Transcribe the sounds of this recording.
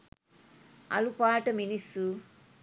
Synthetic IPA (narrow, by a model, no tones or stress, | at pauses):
ɐ̰lupaːʈɐminisu